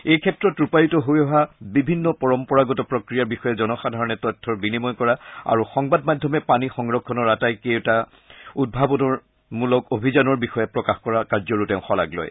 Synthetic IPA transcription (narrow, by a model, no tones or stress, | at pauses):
ejkʰɛtɹɔtɹupajutɔɦojɔɦabibʱinːɔpɔɹɔmpɔɹaɡɔtɔpɹɔkɹijaɹbixɔjɛzɔnɔxadʱaɹɔnɛtɔtʰːɔɹbinimɔjkɔɹaa̰ɹuxɔŋbadmadʱːɔmɛpanixɔŋɹɔkʰːɔnɔɹatajketa | ud̚bʱabɔnɔɹ | mulɔkobʱizanɔɹbixɔjɛpɹɔkaxkɔɹakaɹzɔɹutɛʊ̃xɔla̰ɡlo̰j